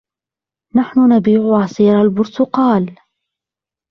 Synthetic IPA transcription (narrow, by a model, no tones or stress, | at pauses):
naħnʊnabiːʕʊʕɑsˤiːɾalbʊɾt̪ʊqɑːl